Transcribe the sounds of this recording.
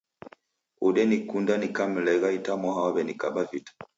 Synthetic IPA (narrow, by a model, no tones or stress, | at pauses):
uɗɛnikundanikam̩lɛɣaitamɔɦawabɛnikaɓavitḁ